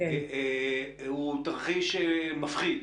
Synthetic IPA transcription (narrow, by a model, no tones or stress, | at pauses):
e | ut̪aʁχiʃemafχid̪